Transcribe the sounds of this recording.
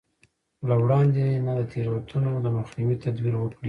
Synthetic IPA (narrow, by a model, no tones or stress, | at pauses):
lawɽɑnd̪enad̪ət̪ʰeɾwat̪ʰunod̪əmʊxnɪwit̪ad̪wiɾwəkɽi